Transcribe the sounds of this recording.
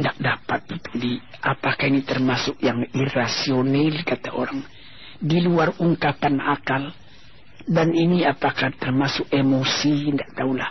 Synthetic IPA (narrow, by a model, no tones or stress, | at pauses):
ndaʔdapat̪̚it̪u̥di | ʔapakahinit̪ərmasʊk̚jaŋirasionalkat̪aoɾaŋ | diluaruŋkapanakal | daniniapakat̪ərmasʊk̚emosindaʔt̪aulah